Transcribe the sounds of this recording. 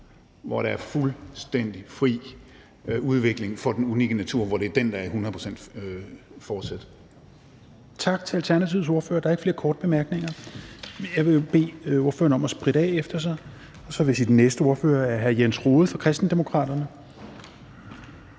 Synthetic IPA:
ʋɒɾ̥ɑ̈æɐfulsd̥en̰d̥ifʁḭː | uð̞ˠʋe̝ɡ̥le̝ŋfɒ̽d̥enuniɡ̥ənæt͡sʰuɐ̰ʋɒɾ̥e̝ɐd̥end̥ɑ̈æhunɐðˠpʰo̝sen̰d̥ | fɒːd̥sæd̥ | t͡sʰɑ̈ɡ̥t͡sʰe̝ælt͡sʰæɐnæt͡sʰiʊso̝ɐfø̰ɐd̥ɑ̈ɐeɡ̥fle̝ːɐkʰɒːd̥b̥e̝mæɐɡ̥neŋɐ | jɑ̈ɪʋe̝job̥e̝̰ːo̝ɐføːɐnəɒ̽mɒsb̥ʁiɾ̥əɛ̰efd̥ɐs̬ɑ̈ɪ | ɒ̽sɒ̽ʋe̝sid̥nːesd̥əo̝ɐfø̰ːɐæɐɦæɐjensʁoːð̞̩ˠfɒ̽kʰʁɛsd̥n̩d̥emo̝kʰʁɑ̰̈ːd̥ɐnə

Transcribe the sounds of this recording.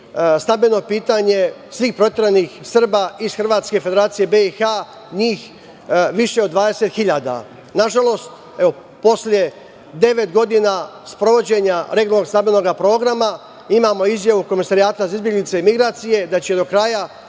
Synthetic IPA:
snambeno̞piːt̪aɲe̞ | sʋiːxpɾo̞t̪jeɾenixsr̩baizxr̩ʋaːt̪ske̞fed̪e̞ɾaːt̪sije̞beixa | ɲiːx | ʋiʃe̞od̪ʋaːd̪e̞se̞t̪xiʎaːd̪a̰ | naʒalo̞ːst̪ | e̞o̞ | po̞slʲje̞ | d̪e̞ʋe̞t̪ɡo̞d̪inaspɾo̞ʋo̞d͡ʑe̞ɲaɾeɡonoɡsambeno̞ɡapɾo̞ːɡɾama | imaːmo̞izjaʋuko̞misaɾijaːt̪aizizbje̞ɡlit̪seimiɡɾaːt̪sije̞d̪at͡ɕeed̪o̞kɾaja

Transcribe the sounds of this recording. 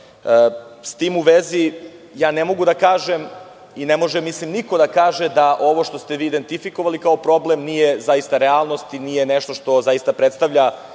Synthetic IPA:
əst̪iːmuʋezijaːnemo̞ɡud̪akaːʒem | inemo̞ʒemislimniko̞d̪akaːʒed̪aʔo̞ʋo̞ʃt̪o̞st̪eʋiːd̪e̞nt̪ifikoʋalikaopɾo̞blemnijezajist̪aɾealˠno̞st̪inijeneʃt̪o̞ʃt̪o̞zaist̪apɾet̪st̪aʋʎa

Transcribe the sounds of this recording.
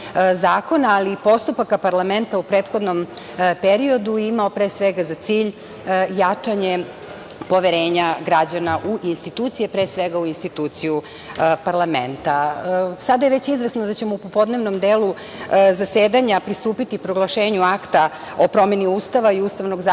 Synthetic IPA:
zaːko̞naːlipo̞st̪upakapaɾlˠame̞nt̪aupɾeːt̪xo̞d̪no̞m | peɾio̞d̪uimaopɾesʋeɡazat̪siːʎ | jat͡ʂaɲe | po̞ʋeɾeːɲaɡɾad͡ʑanaʔuʔinst̪it̪uːt̪sijepɾeːsʋeɡauinst̪it̪uːt̪siju | paɾlˠamḛnt̪asad̪ajeʋet͡ɕizʋesnod̪at͡ɕe̞mo̞upopo̞d̪ne̞ʋno̞md̪eːlu | zaseːd̪aɲapɾist̪uːpit̪ipɾo̞ɡlˠaʃeːɲuakt̪a | opɾo̞me̞niuːst̪aʋaiuːst̪aʋnoɡza

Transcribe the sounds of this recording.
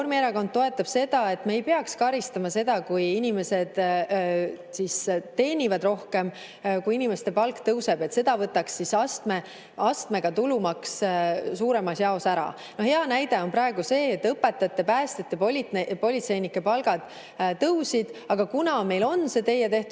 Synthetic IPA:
ormieɾɑko̞nd̪̥̚tːo̞e̞t̪ːˑɑb̥se̞d̪̥ɑe̞t̪ːmeːjpeɑkskɑɾist̪ɑmɑse̞d̪̥ɑkujinʲime̞se̞d̪̥ | sist̪e̞ːnʲivɑd̪ro̞hke̞m | kujinime̞st̪e̞pɑlkt̪ɤwse̞b̥e̞t̪se̞d̪̥ɑvɤt̪ːˑɑkssisɑst̪me | ɑst̪me̞ɡ̥ɑt̪ulumɑkssuːɾe̞mɑsjɑo̞sæɾɑ̰ | no̞hheɑnæjd̪e̞o̞nprɑe̞ɡ̥use̞ːt̪ːɤpːe̞t̪ːˑɑt̪ːˑe̞pæːst̪et̪ːˑepolipo̞lit̪se̞jnikːˑe̞pɑlɡ̥ɑd̪̥ | t̪ːɤwsid̪̥ɑɡ̥ɑkunɑme̞jlo̞nse̞t̪e̞jːet̪e̞ht̪

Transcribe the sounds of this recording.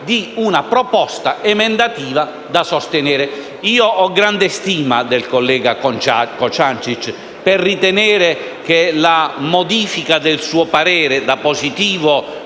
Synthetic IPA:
d̪iunapɾɔpɔst̪aɛmɛnd̪at̪iːva | d̪asɔst̪ɪnɛːɾɪ | iːoʔɔɡɾand̪est̪iːmad̪ɛlkolːɛːɡakt͡ʃakɔt͡ʃant͡ʃit͡ʃ | pɛrːit̪ɛnɛːɾɪ | k̟elamɔd̪iːfikad̪ɪlsuːopaɾɛːɾɪd̪apːozit̪iːvo

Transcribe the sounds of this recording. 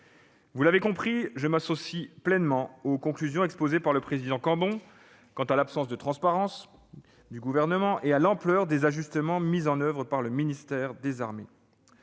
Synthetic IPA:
vulavekɔ̃pχiʒəmasosiplɛnmɑ̃okɔ̃klyzjɔ̃ɛkspozepaʁləpχezid̪ɑ̃kɑ̃bɔ̃ | kɑ̃t̪alapsɑ̃s̬d̪ət̪χɑ̃spaʁɑ̃s | d̪yɡuvɛʁnəmɑ̃ʔealɑ̃plœʁd̪ezaʒyst̪əmɑ̃mizɑ̃nœvʁəpaʁləminist̪ɛʁd̪ezaʁme

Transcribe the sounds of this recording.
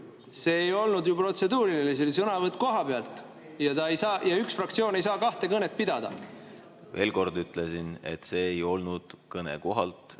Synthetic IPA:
se̞ːejo̞lnud̪jupro̞t̪se̞d̪uːɾililisilsɤnɑvɤt̪ːˑko̞ɦɑpeɑlt̪ˑ | jɑt̪ɑejsɑːjɑyksfrɑk̚t̪sioːne̞jsɑːkɑht̪e̞kɤnet̪̚pid̪ɑd̪̥ɑ̰ | ve̞̰ːlko̞rd̪yt̪ˑlesine̞̰t̪ːseːejo̞lnud̪̥kɤnḛko̞ɦɑlt̪

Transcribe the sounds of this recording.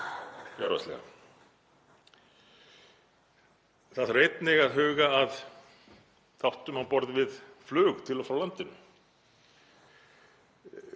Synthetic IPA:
aɾa̰slɛ̰ɣa̰ | θaðrejt̪nɪɣaðɦʏːɣaːð | θawht̪ʏmawpɔɾðvɪðflœːɣt̪ʰɪlafɾawlant̪ɪnʏ

